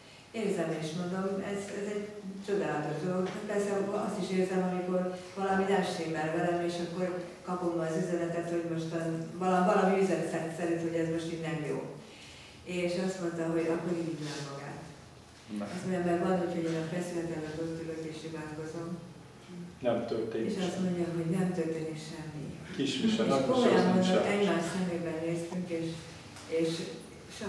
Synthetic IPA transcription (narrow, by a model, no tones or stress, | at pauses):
eːrzɛmeːniʃmo̞nd̪o̞mɛzɛzɛɟt͡ʃo̞d̪aːlɒt̪o̞ʒd̪olokhat̪̚pɛrsɛɒst̪iʃeːrzɛmɦɒmiko̞r | vɒlɒminaʃt̪eːmbɛlvɛɾɛmeːʃɒkːo̞r | kɒpomːɒːzyzɛnɛt̪ɛt̪ho̞ɟmo̞ʃt̪vɒlɒvɒlɒmiyzɛnsɛt̪sɛɾint̪ho̞ɟɛzmo̞ʃt̪iɡnɛmjo̰ː | eːʃɒst̪mo̞nt̪ɒɦo̞ɟɒkːoɾidid̪nɛmːɒɡa̰ːt̪ | ɒsɛmbɛmvɒnhocho̞ɟeːnɒfɛsylɛt̪ɛlːɛt̪ot̪yløt̪eːʃivaːlkozo̞m | nɛmt̪ølt̪eːeʃɒst̪mo̞ɲɟɒɦo̞ɟnɛmt̪ørt̪eːnikʃɛmːḭkiʃiʃɛkomojɛmmont̪ɛɟmaːrʃtsɛmːeːbɛnːeːst̪yŋkeːʃ | eːʃ | ʃ